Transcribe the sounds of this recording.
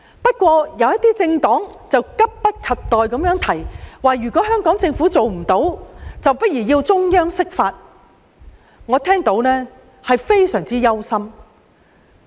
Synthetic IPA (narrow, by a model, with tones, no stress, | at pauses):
pɐ˥t̚kʷɔː˧jɐ˨˧wjɐ˥t̪iː˥t͡sɪ˧ŋt̪ɔː˨˥ŋt͡sɐ˨wkɐ˥p̚pɐ˥t̚kʰɐ˨tt̪ːɔː˨jkɐ˨˥mjœː˨˥ŋt̪ʰɐ˨˩jwaː˨˩jyː˨˩kʷɔː˨˥ɦœː˥ŋkɔː˨˥ŋt͡sɪ˧ŋfuː˨˥t͡so˨wm̩˨˩t̪o˨˥wt͡sɐ˨wpɐ˥t̚jiː˨˩ji˧wt͡sʊ˥ŋjœː˥ŋsɪ˥k̚faː˧t̚ | ŋɔː˨˧t̪ʰɛː˥ŋt̪o˨˥wnɛː˥ | hɐ˨jfe˥jsœː˨˩ŋt͡siː˥jɐ˥wsɐ˥m